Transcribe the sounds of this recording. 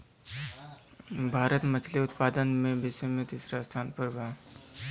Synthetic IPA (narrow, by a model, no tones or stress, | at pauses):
bʱaːɾət̪mət͡ʃʰliʊt̪paːd̪ənmẽbɪsemẽt̪iːsɾast̪ʰaːnpəɾbaː